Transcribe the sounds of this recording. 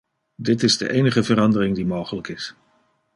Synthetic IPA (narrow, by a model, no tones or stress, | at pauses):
dɪtɪzdə̰ʔejnəχəvəɾɑndərɪŋdimowχələkɪs